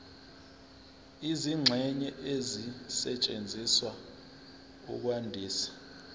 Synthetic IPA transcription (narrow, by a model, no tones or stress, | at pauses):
iziŋ͡ǁʱɛɲɛʔezisɛt͡ʃʼend͡zʱiswa | ṵk̬wandʱiːsḁ